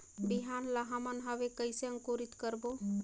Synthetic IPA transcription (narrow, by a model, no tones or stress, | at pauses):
biɦanlaɦəmənɦəʋekəɪseə̃ŋkoɾit̪kəɾbo